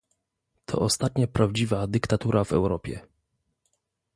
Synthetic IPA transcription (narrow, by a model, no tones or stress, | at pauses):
t̪ʰɔ̰ʔɔst̪at̪ɲapɾavd͡ʑivad̪ɘkt̪at̪uɾʔavɛ̰wɾɔpʲjɛ̰